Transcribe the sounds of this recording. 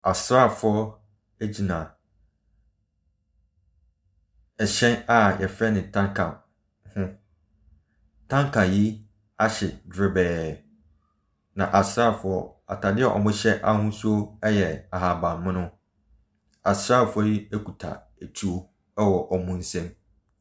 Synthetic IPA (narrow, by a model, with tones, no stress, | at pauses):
a˨sɾa˦˨fʊ˨ɔ˦ | e˦d͡ʑi˨nã˨ | ɛ˨ɕɛ̃˦na˨jʔɛ˨fɛ˦nɪ̃˨tʰã˦ŋkʰã˨ | hʊ̃˦ | tʰã˦ŋkʰã˨ji˦ | a˦ɕɛ˨dɾɪ˦bɛː˨ | nã˨ʔa˨sɾa˦˨fʊ˨ɔ˦a̰˨tʰa˨dɪ˦ɛ˨ʔɔ̰˨mʊ̃˦ɕɛ˦ʔa˦hʊ̃˦sʊ˦o˦ɛ˦jɛ˨a˨ɦa˨bã˨mːɪ̃˦nʊ̃˦ | a˨sɾa˦˨fʊ˦ɔ˦ji˦æ˦kʰu˨tʰa̰˨ | æ˨tʰu˦o˦ | ɛ˦wɔ˨ʔɔ˨mʊ̃˦n̩˦sɛ̃˦m